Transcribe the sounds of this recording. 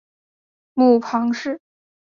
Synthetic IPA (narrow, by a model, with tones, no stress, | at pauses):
mu˥˩pʰɑ˧˥ŋʂɻ̩˥˩